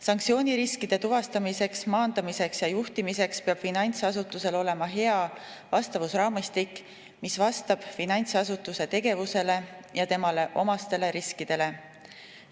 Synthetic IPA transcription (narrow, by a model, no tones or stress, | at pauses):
sɑŋktsio̞ːnʲiɾiskid̪̥e̞t̪uvɑst̪ɑmise̞ksmɑːnd̪̥ɑmise̞ksjɑjuht̪imise̞kspe̞ɑb̥finɑjnʲt̪sɑsut̪ːˑuse̞lo̞le̞mɑɦe̞ɑvɑst̪ɑvusrɑːmist̪ikː | misvɑst̪ɑb̥finɑnʲt̪sɑsut̪ːˑuse̞t̪e̞ɡ̥e̞vuse̞le̞jɑt̪e̞mɑle̞ʔo̞mɑst̪e̞le̞ɾiskid̪̥e̞le̞